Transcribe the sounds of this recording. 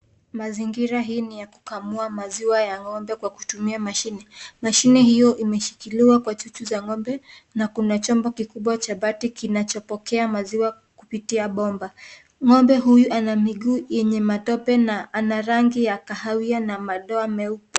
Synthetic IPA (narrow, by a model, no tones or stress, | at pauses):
maziŋɡiɾaɦiːnijaku̥kamuamaziwajaŋɔmbɛkwaku̥tumiamaʃinɛmaʃinɛhijɔʔimɛʃi̥kiliwakwat͡ʃut͡ʃuzaŋɔmbɛ | nakunat͡ʃɔmbɔkikuɓwat͡ʃaɓatikinat͡ʃɔpɔkɛamaziwa | kupitiaɓɔmba | ŋɔmbɛɦujuʔanamiɠuːjɛɲɛmatɔpɛnaʔanaɾaŋɡijakahawianamaɗɔamɛupa